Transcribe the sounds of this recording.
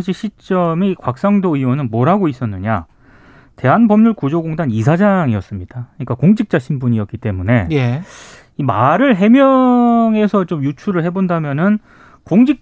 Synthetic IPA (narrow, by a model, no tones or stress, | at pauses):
ŋɕ̬ʰiɕʰit͡ɕ͈ʌmikwak̚s͈aŋdoionɯnmʌɾɦaɡois͈ʌnːɯɲa̰ | te̞ɦanbʌmɲuɭkud͡ʑoɡoŋdanisʰad͡ʑaŋiʌs͈ɯmɲid̥akɯɲik͈akoŋd͡ʑik̚t͡ɕ͈aɕʰinbuɲiʌk͈it͈e̞mune̞je | imaɾɯɭɦe̞mjʌŋe̞sʰʌt͡ɕomjut͡ɕʰuɾɯɭɦe̞bondamjʌnɯn | koŋd͡ʑik̚